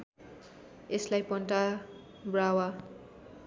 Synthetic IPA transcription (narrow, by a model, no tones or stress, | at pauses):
eslajpʌnʈa | brawa